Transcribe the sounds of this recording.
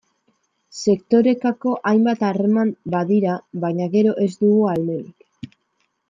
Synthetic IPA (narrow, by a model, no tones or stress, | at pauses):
se̞kt̪o̞ɾe̞kako̞ʔajmbat̪are̞mambaðiɾaβaɲaɣe̞ɾo̞ʔe̞zd̪uɣualme̞ɾik